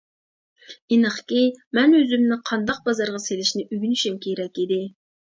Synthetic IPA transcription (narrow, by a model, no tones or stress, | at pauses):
inəχkʲimɛnøzymnɪqʰɑnd̪ɑq̚bɑzɑɾʁɑselɪʃnɪʔyɡʲynyʃymkʲʰeɾɛkʲid̪ɪ